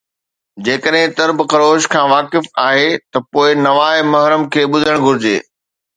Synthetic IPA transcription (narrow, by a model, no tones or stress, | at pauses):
d͡ʑeːkəɗɦɪ̃t̪ɐɾbkɐɾoːʃkʰãːʋaːkɪfaːɦet̪ɐpoːɪnɐʋaːɪmɐɦɾəmkʰeːɓʊd̪ʱəɽ̃ɡʱʊɾɪd͡ʑḛː